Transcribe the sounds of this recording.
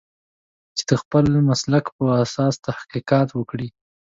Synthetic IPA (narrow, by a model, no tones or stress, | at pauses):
t͡ʃe̥d̪̥əxpəlmaslakpəasɑst̪ahqiqɑt̪wəkɽi